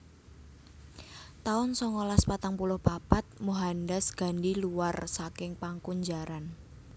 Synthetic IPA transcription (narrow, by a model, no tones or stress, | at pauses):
t̪aʊnsɔŋolaspat̪aŋpulʊhb̥a̤pat̪̚muɦandɛsɡ̥a̤nɖiluwarsakɪŋpaŋkuɲd͡ʒaɾan